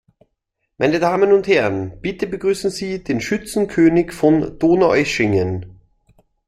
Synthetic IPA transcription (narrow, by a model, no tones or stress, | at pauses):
mʔaɪnədaːmənʊnthɛʁənb̥ɪtəbəɡ̥ʁyːsn̩ziːd̥eːnʃʏt͡sn̩kʰøːnɪçfɔnd̥oːnaʔɛʃɪŋən